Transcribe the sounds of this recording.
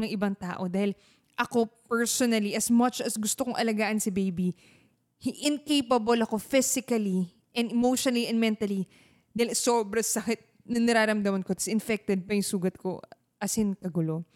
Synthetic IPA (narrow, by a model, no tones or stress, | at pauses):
ŋɐŋʔɪbɐŋt̪a̰ːʔo̞d̪aːhɪl | ʔɐko̞pɛɹsonɐliʔɐsmɐt͡ʃɐsɡʊst̪okoŋʔɐlɐɡaːʔɐnsɐbejbi | hɪʔɪnkejpɐbolɐko̞fɪsɪkɐli | ʔɛ̃nd̪ɛmowʃonɐliʔɛnd̪mɛnt̪ɐli | d̪aːhɪlsoːbɾɐsɐkɪt̪̚ | nɐnɐɾaːɾɐmd̪ɐmɐnkot̪ɐ̥sɪnfɛk̚t̪ɛd̪̚pɐjʊŋsuːɡɐt̪̚ko̞̰ | ʔɐsɪnkɐɡʊlo